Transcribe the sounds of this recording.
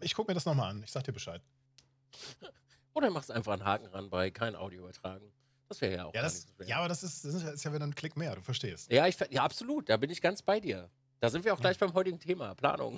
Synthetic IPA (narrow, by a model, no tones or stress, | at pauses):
ʔɪçkʰʊkəmiɐɾasnɔχmaːlʔanɪçz̥aːɡədiːɐbəʃaɪt | ʔoːɾəanmaχstʔaɪnfaχnɦaːkŋ̩ʁanbaɪkʰaɪnʔa̰ʊdjoybɐtʁ̥aːɡŋ̩ | d̥asv̥ɛːʁəja̰ːʔaʊjadanɪz̥oʃveːɐjaʔaːbɐdasɪstd̥asɪsjaɪstjaːvɛnankʰl̥ɪkmeːɐɾuːfɛɐʃteːstjaːɪçfɛjaːapz̥oluːt̚d̥aːbɪnɪçɡ̥ant͡sb̥aɪdiːɐ | d̥aːzɪntv̥iɐaʊɡ̥laɪçb̥aɪmɦɔʏtɪɡŋ̩tʰeːmapl̥a̰ːnʊ̰ŋ